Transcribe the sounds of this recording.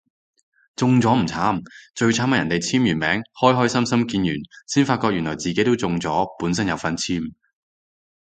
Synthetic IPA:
t͡sʊ˨˧ŋt͡sɔː˨˥m̩˨˩t͡sʰaː˨˥mt͡ʃɵ˧ɥt͡sʰaː˨˥maɐ˨˩jɐ˨˩nt̪e˨˩jt͡sʰiː˥mjyː˨˩nmɛː˨˥ŋhɔː˥jɦɔː˥jsɐ˥msɐ˥mkiː˧njyː˨˩nsiː˥nfaː˧t̚kɔː˧k̚jy˨˩nlɔː˨˩t͡siː˨ke˨˥jt̪o˥wt͡sʊ˧ŋt͡sɔː˨˥puː˨˥nsɐ˥njɐ˨˧wfɐ˨˥nt͡sʰiː˥m

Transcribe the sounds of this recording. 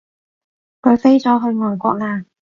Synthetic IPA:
ko˨˧se˥jt͡sɔː˨˥ɦɵ˧ɥŋɔː˨˩jkʷɔ̰ː˧k̚laː˧˩

